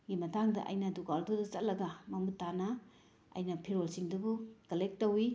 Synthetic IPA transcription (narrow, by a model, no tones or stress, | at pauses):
ɡimɐtʰaŋdɐ̰ʔɐ̰jnɐdukaldodɐt͡ʃɐt̚lɐɡɐmɐmutːanɐ | ɐ̰jnɐpʰiɾolsiŋdubukɐlek̚tːowi